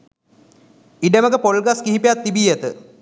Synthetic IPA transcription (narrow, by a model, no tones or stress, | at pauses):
iɖəməkəpolɡaskiɦipejat̪ːibiːjət̪ə̰